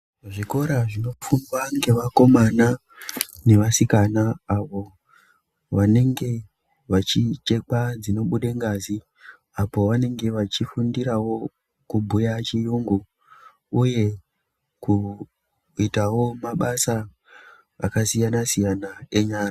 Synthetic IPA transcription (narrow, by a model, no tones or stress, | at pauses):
ʐiko̞ɾaʐino̞fumwaŋɡe̞ʋako̞mana | ne̞ʋasikanaːʋo̞ | ʋane̞ŋɡe̞ | ʋat͡ʃit͡ʃe̞kad͡zino̞ɓuɗeŋɡazi | apo̞ʋane̞ŋɡe̞ʋat͡ʃifundiɾawo̞ | kubʱujat͡ʃijuːŋɡu | uje̞ | ku | itawo̞maɓasa̰ː | kasijanasijanae̞ɲaːra